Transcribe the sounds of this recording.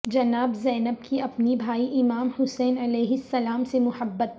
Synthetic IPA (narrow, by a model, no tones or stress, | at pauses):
d͡ʒɐnaːbzɛːnəb̚kiɐpnibʱaːiʔɪmaːmhʊsɛːnɐlɛːɦɪsːɐlaːmsemʊhəbːət̪̚